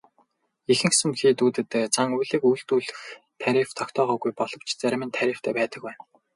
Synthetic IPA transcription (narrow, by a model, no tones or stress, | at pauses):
ixɘ̆ŋsɘ̆mxiːt̪uːt̪ɘ̆t̪ːeːt͡sʰaŋujɮĭːkujɬt̪uːɮɘ̆x | t̪ʰæɾʲift̪ʰɔkt̪ʰɔːʁɔːɣujpɔɮ̥ɞ̆w̥t͡ɕt͡sæɾ̆ʲmɘ̆nt̪ʰæɾʲĭːft̪ʰæːpæːt̪ə̆kwæːn